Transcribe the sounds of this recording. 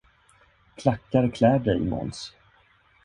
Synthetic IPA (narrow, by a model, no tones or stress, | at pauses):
kʰlakːaɾkʰlɛːɖɛjmɔ̰ns